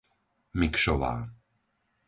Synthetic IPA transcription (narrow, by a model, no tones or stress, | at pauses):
mikʃɔʋa̰ː